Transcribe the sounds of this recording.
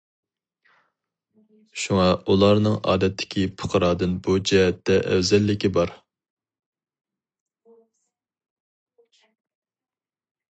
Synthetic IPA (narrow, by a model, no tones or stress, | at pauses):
ʃuŋɑulˠɑɾnɨŋɑ̰ːd̪ɛt̪ʰːɪ̥kʲʰipʰʊ̥qʰəɾɑːd̪ɨnbud͡ʒɛɦɛt̪ʰːɛʔɛ̰wzɛlːɪkʲibɑɾ